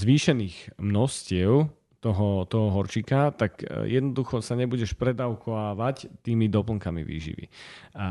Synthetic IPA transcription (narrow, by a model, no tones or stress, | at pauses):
zʋiːʃɛniːɣmnɔscɪɛʊ | t̪ɔɦɔt̪ɔɦɔɦɔɾt͡ʃikat̪akjɛd̪nɔd̪uxɔsaɲɛbuɟɛʃpɾɛd̪aʊkʰɔʋaːʋact̪iːmid̪ɔpl̩ŋkamḭʋḭːʒḭʋḭa